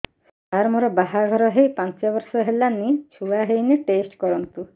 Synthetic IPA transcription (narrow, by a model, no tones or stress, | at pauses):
aɾmoɾɔbaɦaɡʱɔɾɔɦejpant͡ʃabɔɾsɔɦelanːiʃuaɦejneʈesʈkɔɾɔnt̪u